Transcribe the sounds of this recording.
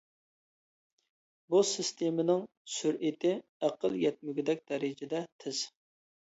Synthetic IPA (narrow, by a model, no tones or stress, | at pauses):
bosɪst̪ʰemɪnɪŋ | syɾʔɪt̪ʰɪæqəlˠjɛt̪̚myɡʲɪd̪ɛk̚ʲd̪̥ɛɾɪd͡ʒɪd̪ɛt̪ʰɪz̥